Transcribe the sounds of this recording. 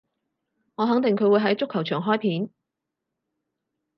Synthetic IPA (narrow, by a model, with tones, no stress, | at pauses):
ŋɔː˨˧ɦɐ˨˧˥ŋt̪ɪ˨ŋkʰɵ˧ɥwuː˨˧jɦɐ˨˥jt͡sʊ˥kʰːwt͡ʃʰœː˨˩ŋɦɔː˥jpʰiː˨˥n